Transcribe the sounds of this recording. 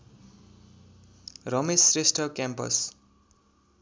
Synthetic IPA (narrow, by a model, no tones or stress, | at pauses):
rʌmesresʈʰʌkampʌ̰s